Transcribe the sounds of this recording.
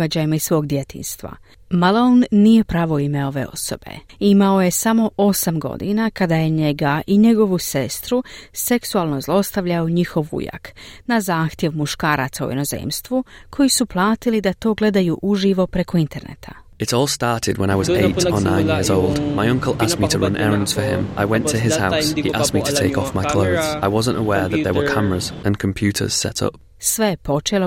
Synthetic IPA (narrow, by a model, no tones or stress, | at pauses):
ad͡ʑaːjimaissʋo̞ːɡd̪je̞t̪ḭːnst̪ʋa̰ | malˠonːije̞pɾaːʋo̞ime̞o̞ʋe̞̰o̞̰so̞b̥e̞̰imao̞je̞samo̞ʔo̞samɡo̞̰d̪ḭnakad̪aje̞ɲe̞ɡaʔiɲe̞ɡo̞ʋuse̞st̪ɾuse̞ksualˠno̞zlˠo̞st̪aʋʎauɲixo̞ʋṵja̰knazaːxt̪je̞ʋmuʃkaːɾat̪saṵjḛno̞zḛːmst̪ʋukʰo̞jisuplˠaːt̪ilid̪at̪o̞ːɡle̞d̪ajuʔuʒiʋo̞pɾe̞ko̞int̪e̞ɾnḛt̪ʰa | ɨɾɔlˠstɑɹɾɪd̚wə̃ñaɪwʌzeɪtə˞nã̰ɪ̃njɪɹzoʊlˠdmaɪʌ̃ŋkəlˠʔastmitʰəɹʌ̃nʔɛ̰ɹə̃nz̥fə˞ɪ̰̃mʔa̰ɪwɛ̃ntʰɨɪz̥haʊsshiʔasmitʰɨtʰeɪkɔfmaɪkʰl̥oʊðz̥aɪwʌzə̃ntə̰wɛɹðɨt̪̚ðə˞wə˞kʰamə˞əzʔɨ̃nkʰm̩pʰj̥ʉɾə̰˞z̥sɛ̰ɾʰʌ̰p̚ | sʋe̞jepo̞t͡ʃelo